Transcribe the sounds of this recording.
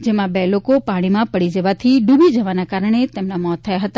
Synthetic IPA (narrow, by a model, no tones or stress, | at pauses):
d͡ʒemãbelokopaɽ̃imãpəɽid͡ʒəʋat̪ʰiɖubid͡ʒəʋanakaɾəɳ̃et̪emnamɔt̪ʰːəjaɦət̪a